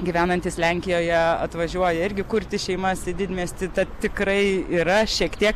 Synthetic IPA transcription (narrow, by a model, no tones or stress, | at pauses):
ɡʲiʋʲæːnɐnʲt̪ʲiːslʲæŋʲkʲɪjoːjɛɐt̪ʋɐʒʲuɔjɛɪɾʲɡʲɪkʊɾʲt̪ʲɪʃʲɛɪmɐsɪd̪ʲɪt̪ʲmʲiɛsʲt̪ʲɪt̪ɐt̪t̪ʲɪkɾɐɪiːɾɐʃʲiɛkt̪ʲiɛk